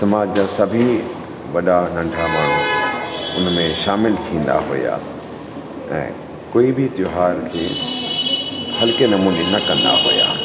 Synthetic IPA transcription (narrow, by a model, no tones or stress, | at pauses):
sɐmaːd͡ʑd͡ʑaːsɐbʱi | ʋɐɗanɐ̃ɳɖʱamaːɳ̤ũ | ʊnmẽʃaːmɪlt̪ʰĩːnd̪a̰ɦo̰ja̰ː | ɛ̰̃ː | koːibɪt̪jʊɦaːɾkʰeː | hɐlkenɐmuːnenɐkɐ̃nd̪a̰ɦo̰ja̰ː